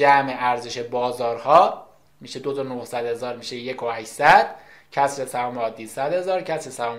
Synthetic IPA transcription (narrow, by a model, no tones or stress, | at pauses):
d͡ʒæmeʔæɾzeʃebɒːzɒːɾhɒː | miʃed̪ot̪ʰonohsæd̪he̞zɒːɾmiʃejekʰohæʃsæd̪̥ | cʰæsɾesævɒːmɒːd̪iːsæd̪he̞zɒːɾcʰæsɾesævɒːm